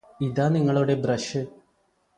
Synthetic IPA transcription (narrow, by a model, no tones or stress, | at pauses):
iðaːniŋːɐɭuɽe̞brɐʂɨ